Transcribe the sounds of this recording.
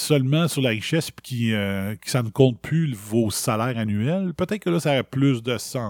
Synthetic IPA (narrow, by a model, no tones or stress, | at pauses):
sœlmɑ̃syʁlaʁiʃɛspy̥kʲiəkʲi̥sanəkɔ̃t̪̚pʰlyvosalɛːʁanyɛlpøt̪ɛɪt̪̚kəlʌsaːʁɛplʏsd̪əsɑ̃